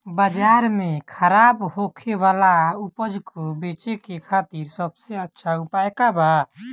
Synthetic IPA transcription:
bəd͡ʒaɾmekʰəɾabhokʰewalaupəd͡ʒkobet͡ʃekekʰaːt̪iɾsəbseətːʃʰaupaekaba

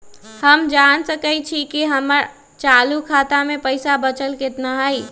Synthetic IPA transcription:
həmd͡ʒansəkət͡ʃʰikiɦəməɾ | t͡ʃaːlukʰaːt̪amẽpəɪsabət͡ʃəlket̪naɦai

